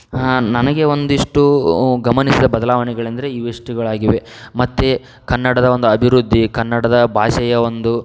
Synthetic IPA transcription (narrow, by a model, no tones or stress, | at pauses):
nɐnɐɡe̞o̞nd̪iʂʈuɡɐmɐnisid̪ɐbɐd̪ɐlaːʋɐnɛɡɐɭend̪ɐɾe̞iːʋiʂʈiɡɐɭaːɡiʋe̞ | mɐt̪ːe | kɐnːɐɽɐd̪ɐo̞nd̪uɐbʱiɾud̪ʱːikɐnːɐɽɐd̪ɐbʱaːʃɐjɐo̞nd̪u